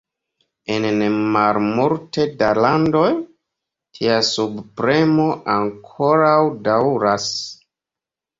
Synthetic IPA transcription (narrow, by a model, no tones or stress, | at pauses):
ennmalmulte̞dalando̞j | tʰiasubpɾe̞mo̞ʔaŋkʰo̞ɾawdawɾas